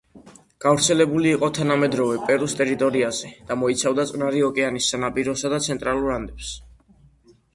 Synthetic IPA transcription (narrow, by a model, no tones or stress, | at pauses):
ɡ̥avɾt̪sʰɛlɛbuliːqʼɔt̪ʰanamɛd̪ɾɔvɛpʼɛɾust̪ʼɛɾit̪ʼɔɾiazɛd̪̥amɔit̪sʰavd̪at̪sʼqʼnaɾiɔkʼɛanisːanapʼiɾɔsad̪at̪sʰɛnt̪ʼɾaluɾand̪ɛps